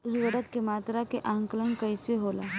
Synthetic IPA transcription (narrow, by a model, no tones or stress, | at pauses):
zuʋəɾət̪̚kemaːt̪ɾakeʔaːŋkələnkɐiseɦoːla̰ː